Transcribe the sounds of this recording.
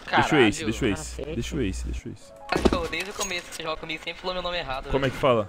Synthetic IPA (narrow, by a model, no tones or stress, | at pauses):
dkeʃoesɪd̪eʃoisd̪eʃoesɪd̪ḛʃoḭsʊ̥kakod̪ejzd͡ʒʊkomesʊkseʒɔɡɐkõmiɡʊsẽpɾɪfalomewnõmɪeɦad̪ʊkõmʊɛkɪ̥falɐ